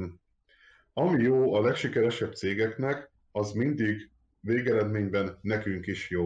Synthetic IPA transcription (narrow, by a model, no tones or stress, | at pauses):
ɒmijoːɒlɛkʃikɛɾɛʃɛb̚t̪seːɡɛknɛk | ɒzmind̪iɡ | veːɡɛɾɛd̪meːɲbɛnːɛkyŋkiʃjoː